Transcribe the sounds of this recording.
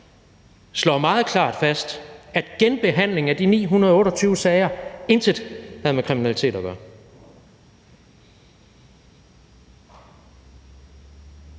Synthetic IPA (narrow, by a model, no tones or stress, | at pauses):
slɒ̰mɑ̈ːð̞̩ˠkʰlɑ̰̈ːd̥fæsd̥æd̥ɡ̥enb̥e̝ɦæn̰le̝ŋæd̥inḭːɦunɐðˠɔ̽ːɾɐt͡sʰyːʊəsɛɪɐe̝nsʰed̥ˠhæð̞̩ˠmekʰʁiminælit͡sʰḛːd̥ɒɡ̥ɶːɐ